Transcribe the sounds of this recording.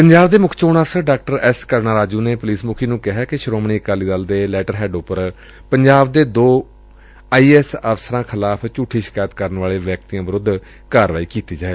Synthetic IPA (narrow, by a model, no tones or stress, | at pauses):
pəɲd͡ʒaːbd̪eːmʊkʰt͡ʃoːnəːfsəɾɖaːk̚ʈəɾɛːskəɾnaːɾaːd͡ʒuːneːpʊliːsmʊkʰiːnũːkɪɦaːkɪʃəɾoːmɳiːəkaːliːd̪əld̪eːlɛːʈəɾɦɛːɖʊpːəɾ | pəɲd͡ʒaːbd̪eːd̪oː | aːiːɛsəfsəɾãːkʰɪlaːpʰt͡ʃuːʈʰːiːʃɪ̥kaːjt̪kəɾənʋaːleːʋɛk̚t̪iːãːʋəɾʊd̪ʱ | kaːɾʋaːiːkiːt̪iːd͡ʒaːeː